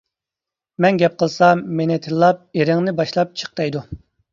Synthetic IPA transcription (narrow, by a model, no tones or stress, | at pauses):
mɛnɡʲɛp̚qʰəlˠsɑmenɪt̪ʰɨlːˠɑp̚eɾɪŋnɪbɑʃlˠɑp̚t͡ʃʰə̥q̚t̪ɑjd̪u